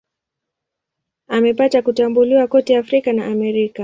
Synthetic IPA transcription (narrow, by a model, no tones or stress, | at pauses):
amɛpatakutambuliwakɔtɛafɾikanaʔamɛɾika